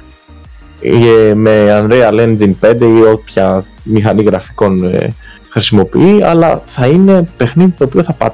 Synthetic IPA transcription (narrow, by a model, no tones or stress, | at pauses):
me̞ɐnd̪ɾeɐlenzinpe̞nd̪e̞io̞pçɐ | mixɐniɣɾɐfi̥ko̞n̰ | xɾisimo̞pḭiɐ̰lɐθɐine̞pe̞xniðit̪o̞ːpioθɐpɐ̰